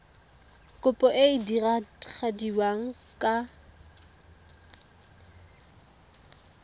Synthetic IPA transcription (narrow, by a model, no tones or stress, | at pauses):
kʼʊpʼɔʔeidirak͡xʰadiwaŋ̩ | kʼa